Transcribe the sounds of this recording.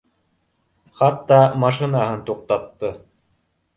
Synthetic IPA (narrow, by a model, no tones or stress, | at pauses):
χɑt̪ːɑmɑʃɘ̆nɑɦɤnt̪uq̚t̪ɑt̪ːɤ